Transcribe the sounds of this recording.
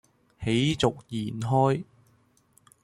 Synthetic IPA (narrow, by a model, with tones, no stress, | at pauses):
he˨˥jt͡sʊ˨k̚jiː˨˩nɦɔː˥j